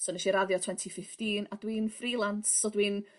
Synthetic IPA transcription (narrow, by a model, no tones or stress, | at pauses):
sɔnɛʃiɾaðjɔtʰwɛntʰifɪftiːnad̥wiːnfrilˠantsɔdwin